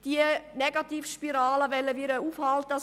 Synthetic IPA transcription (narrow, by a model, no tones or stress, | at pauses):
d̥iənɛɡɑt̪iːfʃpiɾaːləʋɛlːəʋɪɾəuːfhalt̪ə